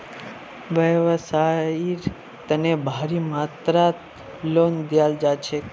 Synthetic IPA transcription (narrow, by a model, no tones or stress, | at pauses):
ʋəʋsaiɾ | t̪ənebʱaɾimat̪ɾat̪ | lond̪jald͡ʒat͡ʃʰe